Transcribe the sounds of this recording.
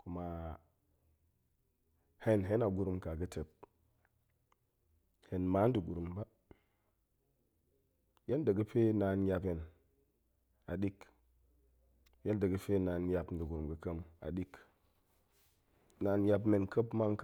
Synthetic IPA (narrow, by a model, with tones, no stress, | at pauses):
ku˨ma˨ | he˦nɦe˦na˨ɡu˨ɾu˨mka˨ɡə˦te˨p̚ | he˨nma˦n˦di˨ɡu˨ɾu˨mba˦ | je˦ndə˨ɡə˦fe˦na˨nja˧pe˨n | a˨ɗi˦k | je˦ndə˨ɡə˦fe˦na˨nja˨pn˦di˨ɡu˨ɾu˨mɡə˦kə˦ma̰˨ɗi˦k | na˨n˦ja˧bme˨nkə˦pma˦nk